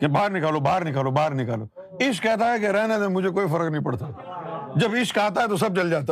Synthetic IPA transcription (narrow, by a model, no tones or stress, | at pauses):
kebaːɾnɪkaːlobaːɾnɪkaːlobaːɾnɪkaːloː | ɪʃkːɛːt̪aɦɛkeɾɛːned̪emʊd͡ʒʱek̬oːifɐɾəknəɦĩpɐɽt̪a | d͡ʒɐbɪʃkaːt̪̬aɦɛt̪os̬ɐb̚t͡ʃɐld͡ʒaːt̪a